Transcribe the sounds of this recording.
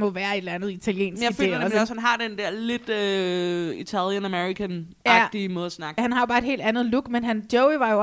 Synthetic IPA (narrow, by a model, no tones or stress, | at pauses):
mɒ̽ʋæːɐe̝d̥lænð̞̩ˠit͡sʰæljḛːnsɡjaifø̥e̝̰ːɒsɒshænɦɑ̈d̥end̥ɛɐ̰le̝d̥ø | it͡sʰæljənæmeʁikʰæn | jɑ̥d̥imɔ̽ːðˠɐsnɑ̈ɡ̥hænhɑ̈job̥ɑ̈ːe̝d̥he̝̰ld̥ænð̞̩ˠluɡ̥menɦænd̥ɔʊiʋɑ̈joɒ